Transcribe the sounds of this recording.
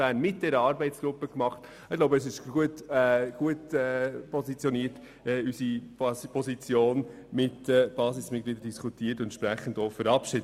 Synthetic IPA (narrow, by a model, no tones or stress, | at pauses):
æːnmɪt̚d̥ɛɾəɑɾbɛɪtt͡sɡ̥ɾʊpːəkmɑχt | ɪloʊbəɛsɪʃuətɛɡ̥uətɛpʰɔsit͡sjɔniːət | ɛysipʰɔsit͡sjoːn | mɪtəb̥ɑːsɪsmɪtkliːdəd̥iskutʰiːəɾtʊɛnʃpɾɛχːən̩dofəɾɑpʃɪ